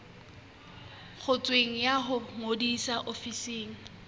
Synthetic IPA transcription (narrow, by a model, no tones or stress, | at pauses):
χʊt͡sʼweŋ̩jaɦʊmodisaʔofiseːŋ̩